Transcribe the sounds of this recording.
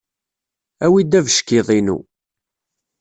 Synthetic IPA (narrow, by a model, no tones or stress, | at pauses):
æwid̪ːævəʃkiðˤinṵ